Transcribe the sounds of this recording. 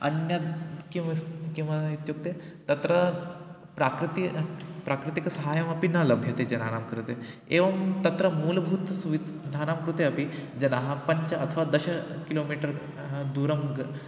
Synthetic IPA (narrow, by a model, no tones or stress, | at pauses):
ɐnjɐkĩkĩw̃ʋait̪jok̚t̪e | t̪ɐt̪ɾə | pɾakɾit̪ipɾakɾit̪iksɐɦajɐmɐpinalɐbʱjɐt̪ed͡ʑɐna̰namkɾut̪e | eʋɐmt̪ɐt̪ɾəmuːlbʱuːt̪suʋid̪ʱanamkɾut̪eɐpid͡ʑɐnaɦapɐɲt͡ɕɐɐt̪ʰəʋad̪ɐɕakilomiʈəɾ | ɦd̪uɾɐmɡ